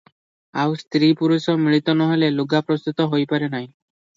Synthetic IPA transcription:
awst̪ɾipuɾusɔmiɭit̪ɔnɔɦeleloɡapɾɔst̪ut̪ɔɦojpaɾenaɦj̃

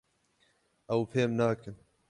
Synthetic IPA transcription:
ʔɛwpʰeːmnaːkɨn

